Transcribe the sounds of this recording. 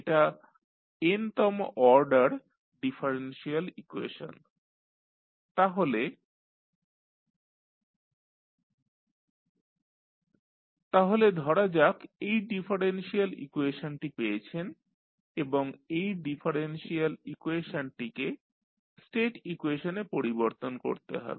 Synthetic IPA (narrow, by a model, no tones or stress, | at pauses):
eʈa | ent̪ɔmʔɔɾɖaɾ | ɖifʰaɾenʃialikuḛʃo̰n | t̪aɦole | t̪aɦoled̪ʱɔɾad͡ʑakejɖifʰaɾenʃialḭkueʃonʈipejet͡ɕʰen | eboŋejɖifʰaɾenʃialikweʃonʈike | sʈeʈikuweʃonepoɾiboɾt̪onko̰ɾt̪ḛɦɔ̰be